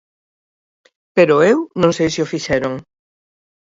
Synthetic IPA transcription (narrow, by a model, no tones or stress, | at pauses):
peɾoewnõŋsejsiofiʃɛɾoŋ